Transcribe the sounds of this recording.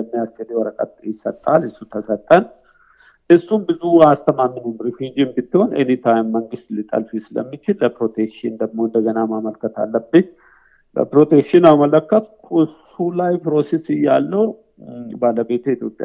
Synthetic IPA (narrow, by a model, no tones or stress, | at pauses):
əmːijast͡ʃɛliwɔɾəkʼə̰t̪̚jɪsət̪ʼːalɨsːut̪ʰəsət̪ʼːən | ʔɨsːumbɨzuast̪ʰəmamːɨnumɾifid͡ʒimbɪt̪ːiho̞nḛnit̪ʰajmːəŋɡɨst̪lɪt̪ʼə̰lfisɨlə̰mːit͡ʃɪlːəpɾo̞t̪ʰekʃɪnd̪əɡmo̞ɨnd̪əɡənamaməlkːət̪ʰa̰lːəbɨtː | bə̰pɾo̞t̪ʰekʃɪnamələkːət̪kʰʊs | ulajpɾo̞sesɪjːalːəw | baləbe̞t̪ujit̪ʰjo̞pʼja̰